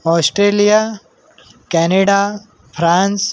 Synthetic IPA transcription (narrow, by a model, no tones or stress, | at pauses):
ɔːsʈɾeːlija | kɛːneɖa | pʰɾãːns